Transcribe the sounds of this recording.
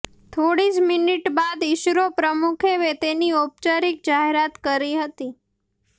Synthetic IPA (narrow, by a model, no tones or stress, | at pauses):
t̪ʰoɽismɪniʈbad̪ɪʃɾopɾəmukʰeʋet̪eniop̚t͡ʃaɾik̚d͡ʒaɦeɾat̪kəɾiɦət̪i